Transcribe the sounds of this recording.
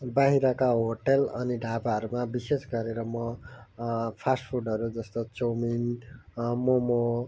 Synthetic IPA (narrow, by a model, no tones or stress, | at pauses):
baɦiɾʌkaɦoʈelʌniɖʱapaʌɾumabisesɡʌɾeɾʌmʌ | pʰasʈpʰuɖʌɾud͡zʌst̪ot͡somin | momo